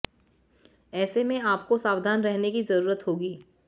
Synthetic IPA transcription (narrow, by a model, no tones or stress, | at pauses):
ɛːsemẽaːpkosaːʋd̪ʱaːnɾɛɦnekizɐɾuːɾət̪ɦoːɡiː